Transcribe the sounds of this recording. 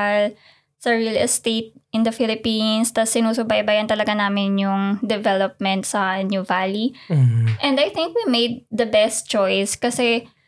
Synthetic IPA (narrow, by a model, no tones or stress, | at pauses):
l | sɐɹilɛst̪ejt̪̚ʔɪ̃nd̪ɐfɪlɪpinst̪ɐsːɪnuːsʊbajbajɐnt̪ɐlɐɡanaːmɪnjʊŋd̪ɛvɛlop̚mɛ̃nt̪sɐnjuvali | ʔɛ̃nd̪ɐjθɪ̃ŋkwimejd̪̚ːɐbɛst̪̚t͡ʃɔjskɐsɛ